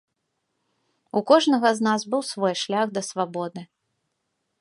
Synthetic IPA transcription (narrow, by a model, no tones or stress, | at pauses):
ukɔʐnɐɣɐznazbɨwsvɔjʂlʲaɣd̪ɐsvabɔd̪ɨ